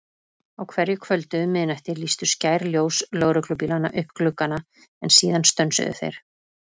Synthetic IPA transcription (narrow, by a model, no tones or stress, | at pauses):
awkʰvɛɾjʏkʰvœlt̪ʏmːɪðnajft̪ɪɾlist̪ʏ̥scaːjɾljoːwslœːɣɾʏkʰlʏp̬ilana̰ʔʏhpklʏkːana | ɛnsiːðanst̪œnsʏ̰ðʏ̰θḛjɾ̥